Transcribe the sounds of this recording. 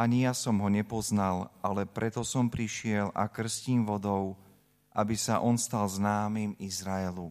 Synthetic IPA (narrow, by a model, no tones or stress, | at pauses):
aɲijasɔmɦɔɲɛpɔznalʔalɛpɾɛt̪ɔsɔmpɾiʃɪɛlʔa̰kr̩sciːmʋɔd̪ɔʊ | ʔa̰bisaʔɔnst̪alznaːmimizɾaɛlu